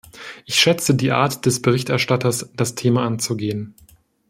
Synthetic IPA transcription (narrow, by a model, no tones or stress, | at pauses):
ʔɪçʃɛt͡sədiːʔa̰ɐtd̥ɛsb̥əʁ̞ɪçtɛɐʃtatɐsd̥astʰeːmaʔant͡suɡeːən